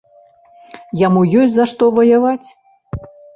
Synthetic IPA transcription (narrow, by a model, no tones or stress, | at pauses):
jamujɔsʲtʲzaʂt̪ɔvɐjavat͡sʲ